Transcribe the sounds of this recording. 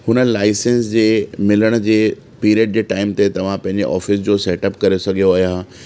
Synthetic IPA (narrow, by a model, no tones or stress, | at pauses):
hʊnə̆laːɪsẽnsd͡ʑeːmɪləɽ̃d͡ʑeː | piːɾiəːɖ̚d͡ʑeːʈaːɪmt̪et̪ɐʋ̤ãpɐ̃ɦɪ̃ɲd͡ʑḛʔɔ̰ːfɪsd͡ʑoːseːʈɐp̚kɐɾesɐɡʱijoaːɦijaɦ